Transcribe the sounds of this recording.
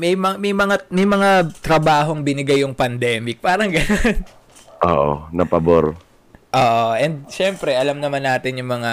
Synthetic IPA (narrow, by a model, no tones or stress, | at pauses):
mɛjmɐmɐjmɐŋamɐjmɐŋat̪ɾɐbaːɦo̞ŋbɪnɪɡajːʊŋpɐnd̪ɛːmɪk̚paːɾɐŋɡɐnon | ʔo̰ːʔo̰nɐpɐboɾ | ʔoːʔoʔɛnd̪̚ʃɛmpɾɛʔɐlɐmnɐmanːaːt̪ɪnjʊŋmɐŋa